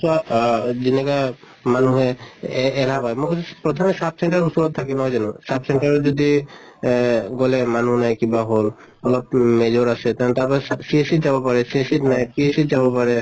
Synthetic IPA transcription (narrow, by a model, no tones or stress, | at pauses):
sad͡ʒineka | manuɦeː | lapajmokɔsʰpɹɔt̪ʰɔmesap̚ʰsɛɳʈaɾusuɾɔt̪ʰːakɛnɔɦɔd͡ʒanusapʰsɛɳʈaɾɔd͡ʒɔd̪i | ɡɔlɛmanuɦnajkibaɦol | ɔlɔb̚med͡ʒɔɾasɛt̪at̪apɔsiesit̚d͡ʒabɔpaɹɛsiesitnajpiesitd͡ʒabɔpaɹɛ